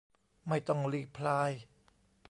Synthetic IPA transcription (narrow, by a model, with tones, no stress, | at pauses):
ma˥˩jt̪ɔ˥˩ŋliː˧˥˩pʰlaː˧˥j